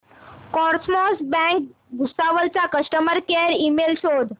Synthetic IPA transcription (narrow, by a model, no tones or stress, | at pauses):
kɔɾsmɔsbɛ̃k̚ | ɡʱusaʋəlt͡sakəsʈəməɾkeɾimelɕod̪